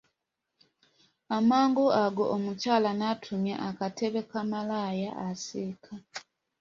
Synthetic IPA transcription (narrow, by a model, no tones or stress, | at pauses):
amaːŋɡoaɡo̞ʔːmucaːlanatʰumja̰ʔakatʰe̞βe̞kamalajaʔasiːkʰa